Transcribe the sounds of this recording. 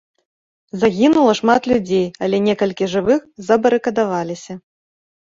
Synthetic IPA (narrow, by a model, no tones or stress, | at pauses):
zaɣʲinulˠɐʂmat̪lʲud͡zʲejɐlʲɛnʲɛkɐlʲkʲiʐɨvɨxzɐbɐɾɨkɐd̪avalʲisʲɐ